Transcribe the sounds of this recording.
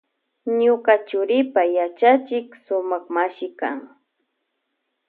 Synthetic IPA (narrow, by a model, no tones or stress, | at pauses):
ɲʊkat͡ʃʊɾɪpajat͡ʃat͡ʃɪksʊmaχmaʃɪka̰ŋ